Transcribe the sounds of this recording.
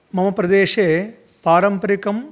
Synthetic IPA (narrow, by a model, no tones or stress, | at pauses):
mɐmɐpɾɐd̪eːʂeː | paːɾɐmpɐɾɪkɐm